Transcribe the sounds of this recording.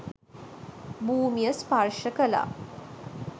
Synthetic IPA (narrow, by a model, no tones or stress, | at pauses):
buːmijəsparʃəkəla̰ː